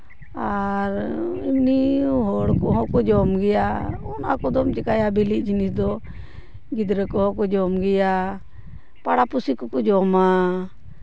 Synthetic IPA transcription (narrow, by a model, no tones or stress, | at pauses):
aɾimniɦɔɽkɔɦɔ̃kɔd͡ʒɔmɡɛjaɔnakɔd̪ɔmt͡ʃɛkajabiliʔ̚ˀd͡ʒinisd̪ɔ | ɡid̪ɾəkɔɦɔ̃kɔd͡ʒɔmɡɛja | paɽapusikɔkɔd͡ʒɔma